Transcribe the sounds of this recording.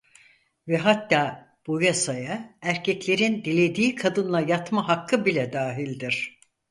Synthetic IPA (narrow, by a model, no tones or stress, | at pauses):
vɛɦat̪ːaː | b̥ujasajaæɾcʰɛclʲe̞ɾind̪ilʲe̞d̪iːkʰad̪ɯnlˠajat̪maɦakʰːɯbilʲɛd̪aːɦilʲd̪iɾ̥